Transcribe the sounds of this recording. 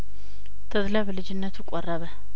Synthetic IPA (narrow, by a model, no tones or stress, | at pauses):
t̪ʰəd̪lɐβlɨd͡ʒɪnːət̪ʰukʼɔrːɐβə